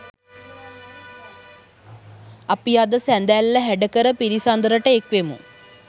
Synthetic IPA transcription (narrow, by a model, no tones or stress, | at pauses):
apijad̪əsænd̪ælːəɦæɖəkəɾəpiɾisand̪əɾəʈəekʋemṵ